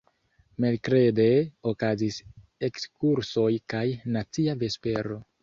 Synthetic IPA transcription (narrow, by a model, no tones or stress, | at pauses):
melkɾe̞de̞okazis | ekskuɾso̞jkajnat͡siave̞spe̞ɾo̞